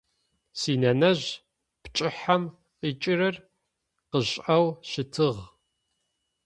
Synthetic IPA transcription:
siːnɐnɐʑ | pt͡ʃʼɪħam | qiːt͡ʃʼɪrɨr | qəʑʼɐwɕɪtʰɨʁ

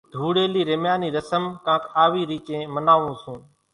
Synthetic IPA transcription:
d̪ʱuːɽeːliːɾemjaːniːɾəsəmkãːkʰaːʋiːɾiːt͡ʃẽːmənaːʋũːsũː

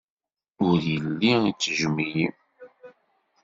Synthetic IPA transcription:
ʊɾjəlːiit͡sːəʒmijim

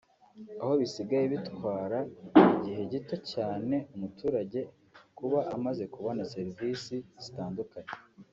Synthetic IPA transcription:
aho̞βisiɡajeβitwwaːɾaiɟiɦe̞ɟito̞caːne̞umutuːɾaɟe̞ | kuβaʔːmaze̞kuβo̞nase̞ɾiviːsiz̥itaːndukaɲe

